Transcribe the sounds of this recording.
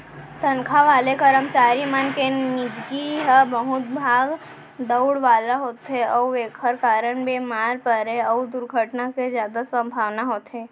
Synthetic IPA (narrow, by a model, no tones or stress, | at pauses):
t̪ənkʰaʋaːlekəɾəmt͡ʃaːɾimənkenɪd͡ʒɡiɦəbəɦʊt̪bʱaːɡ | d̪əʊɽʋaːlaɦoːt̪ɦeɔːeːkʰəɾkaːɾəɳbeːmaːɾpəɾeɔːd̪ʊɾɡʱəʈnakezjaːd̪asə̃mbʱaːʋnaɦoːt̪ɦeː